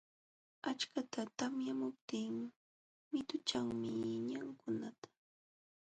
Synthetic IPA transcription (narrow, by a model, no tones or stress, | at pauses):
at͡ʃkat̪at̪amjamʊp̚t̪ɪːm | mɪt̪ʊt͡ʃaŋmɪɲaŋkʊnat̪ḁ